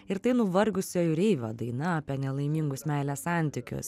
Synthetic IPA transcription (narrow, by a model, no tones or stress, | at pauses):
ɪɾt̪ɐɪnʊʋɐɾɡʊsʲoːjʊɾʲɛɪʋʲo̰ːd̪ɐɪnɐɐːpʲiɛnʲɛlˠɐɪmʲiŋɡʊsmʲæˑɪlʲɛssɑˑnʲt̪ʲɪkʲʊ̰s